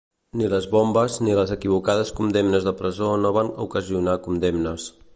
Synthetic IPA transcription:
niləzβombəzniləzəkiβ̞ukað̞əskund̪emnəzðəpɾəzonoβ̞anukəziunakund̪emnəs

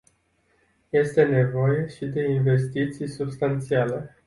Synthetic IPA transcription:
je̞st̪e̞ne̞vo̞je̞ʃid̪e̞inve̞s̬t̪it̪sijsubst̪ant̪siale̞

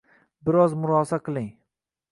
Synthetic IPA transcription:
bɪɾɒzmʊɾɒsaqʰɨlˠɪŋ

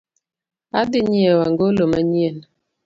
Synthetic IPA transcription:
adiɲiewaŋɡoloməɲien

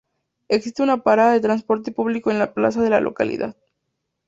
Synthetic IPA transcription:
eksist̪eunapaɾaðaðe̞t̪ɾanspo̞ɾt̪epuβliko̞e̞nlapla̰s̬aðe̞la̰lʔo̞̰ka̰lḭða̰ð

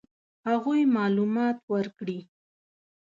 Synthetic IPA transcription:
haɣujmɑlumɑt̪waɾkɽi

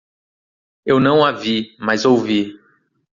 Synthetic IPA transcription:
ewnɐ̃w̃avimazowvi

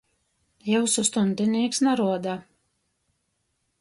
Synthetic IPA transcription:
jɛwsust̪unʲd̪ʲɪnʲiːksnaɾuɔd̪a

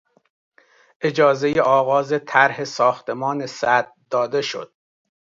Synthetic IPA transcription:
ʔe̞d͡ʒɒːze̞jeʔɒːɣɒːzet̪ʰæɾhe̞sɒːxt̪e̞mɒːnesæd̪̚d̪ɒːd̪e̞ʃo̞̰d̪̥̚

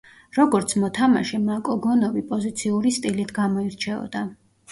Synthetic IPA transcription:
ɾɔɡɔɾt̪sʰmɔt̪ʰama̰ʃɛmakʼɔɡɔnɔvipʼɔzit̪sʰiuɾist̪ʼilit̪ʰɡamɔiɾt͡ʃʰɛɔ̰d̪̥a

